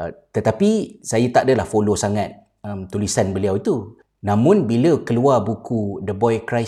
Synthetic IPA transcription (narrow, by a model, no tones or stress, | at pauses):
t̪ət̪apisajat̪aʔdəlahfolosaŋat̪̚ | əmt̪ulisanbəliawit̪u | nãmʊ̃nbiləkəluabukʰudəbɔjkɾaj